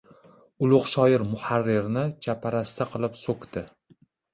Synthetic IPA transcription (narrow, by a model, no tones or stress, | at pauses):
ʊlˠʊqʃɒjɪɾmʊhaɾːɪɾnɪt͡ʃʰapʰaɾast̪ʰaqʰɨlˠɪpsokt̪ɪ